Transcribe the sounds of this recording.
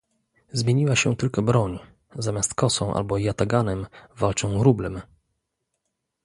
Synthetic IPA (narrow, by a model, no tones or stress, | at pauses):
zmʲjeɲiwaɕɛt̪ɘlkɔbɾɔɲ | zamʲjast̪kɔsɔ̃w̃ʔa̰lbɔjat̪aɡanɛmvalt͡ʂɔ̃w̃ɾublɛm